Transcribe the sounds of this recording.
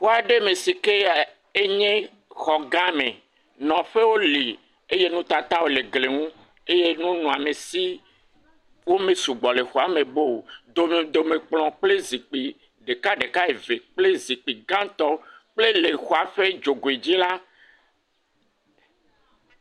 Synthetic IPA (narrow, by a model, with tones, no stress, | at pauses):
ɸo˦a˨ɖe˦me˨si˨ke˦a˨ | e˦ɲẽ˦ | xɔ˨ɡã˦mẽ˨ | nɔ̃˨ɸe˦wo˦li˨ | e˦je˦nũ˦t̪a˨t̪a˦wo˦le˨ɡle˨ŋũ˦ | e˦je˦nũ˦nũ˨a˨me˨si˦ | wo˦mẽ˨su˨ɡ͡bɔ˨le˨xo˨a˨me˨bo˦˨d̪o˨me˨d̪o˨me˨k͡plɔ̃˨k͡ple˦zi˨k͡pi˨ | ɖe˨ka˦ɖe˨ka˦e˨ve˨k͡ple˦zi˨k͡pi˨ɡã˦t̪ɔ˦k͡ple˦le˨xo˨a˨ɸe˦d͡ʒo˨ɡo˨i˨d͡ʑi˦la˦